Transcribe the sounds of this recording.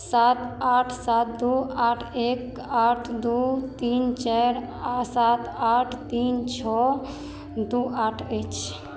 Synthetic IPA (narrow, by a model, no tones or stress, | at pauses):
sat̪aʈʰsat̪̚d̪uaʈʰek | aʈʰd̪ut̪int͡ʃaɾ | asat̪aʈʰt̪int͡ʃʰɔ | d̪uaʈʰəjt͡ʃʰ